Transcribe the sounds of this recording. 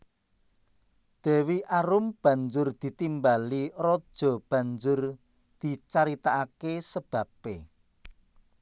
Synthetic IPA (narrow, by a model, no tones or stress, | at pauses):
d̪̥e̤wiʔaɾʊmb̥ä̤ɲd͡ʒʊrd̪̥i̤t̪imbalirɔd̥ʒ̥ɔ̤b̥ä̤nd͡ʒʊr | d̪̥i̤t͡ʃaɾit̪aakesəb̥ä̤pe